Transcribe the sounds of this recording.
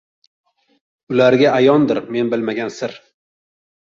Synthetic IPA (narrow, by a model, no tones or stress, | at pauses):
ʊlaɾɡʲaajɒnd̪ɪɾme̞nbɪlmaɡʲansɪɾ